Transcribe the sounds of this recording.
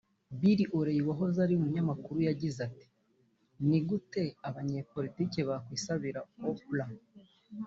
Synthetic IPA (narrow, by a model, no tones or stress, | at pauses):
biɾiʔoɾejiwaɦo̞zaɾiumuɲamakuɾujaɟizati̥ | niɡute̞aβaɲe̞ːpo̞litiːceβakwiːsaβiɾahoβula